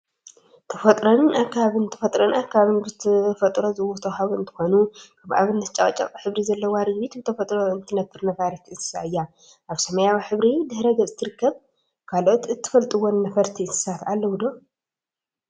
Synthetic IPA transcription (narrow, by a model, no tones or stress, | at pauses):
t̪ʰɐfɐt̪ʼɾonʔakːaβaβint̪ʰɐfɐt̪ʼɾonakʰːaβaβinbɨt̪ʰfɐt̪ʼɾozɨwot̪ʰɐwhaβuɨnt̪ʰɨ̥xo̞nukʰaβʔa̰βɨnːɐt̪̚t͡ʃʼakʼɐt͡ʃʼa̰kʼħɨβɾizɐlːɐwaɾɨɡβit̪bɨt̪ʰɐfɐt̪ʼɾoɨnt̪ʰɨnɐt̪ʰːɨɾnɐfaɾit̪ʰɨsɨ̥sa̰ɨjːa | ʔaβsɐmɐjawiħɨβɾid̪ɨhɾɐɡɐt͡sʼɨt̪ʰːɨɾɨkʰːɐβ | kʰalot̪ɨt̪ʰːɨ̥fɐlt̪ʼɨwːonːɐfɐɾt̪ʰiɨsɨ̥sat̪alːɐwud̪o̞